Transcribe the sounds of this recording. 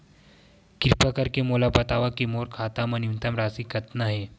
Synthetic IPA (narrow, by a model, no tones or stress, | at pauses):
kɪɾpakɐɾkemoːlapɐt̪aːʋakemoːɾkʰaːt̪amɐnjũnt̪ɐmɾaːsikɐt̪naɦɛː